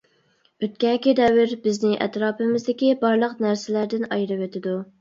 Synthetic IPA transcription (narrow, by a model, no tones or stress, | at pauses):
øt̪̚kʲɛnkʲid̪ɛwɪɾbɪznɪʔɛ̰t̪ɾɑːpɪmɪzd̪ɪkʲibɑɾlˠəqnæɾsɪlæɾd̪ɪnɑjɾɨwet̪ʰɪd̪u